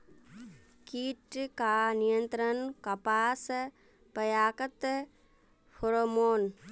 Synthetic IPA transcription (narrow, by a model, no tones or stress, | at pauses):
kiːʈkaːnijənt̪ɾənkɐpaːs | pɐjaːkət̪ | pʰoɾomoːn